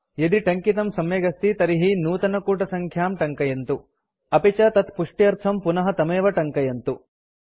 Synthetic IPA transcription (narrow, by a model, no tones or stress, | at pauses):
jed̪iʈɐŋkit̪ɐmsɐmjeːɡɐst̪it̪ɐɾiɦinuːt̪ɐnɐkuːʈɐsɐŋkʰjaːmʈɐŋkɐjɐnt̪u | ɐpit͡ʃɐt̪ɐt̪puʂʈijɐɾt̪ʰɐmpunɐɦɐt̪ɐmeːʋɐʈɐŋkɐjɐnt̪u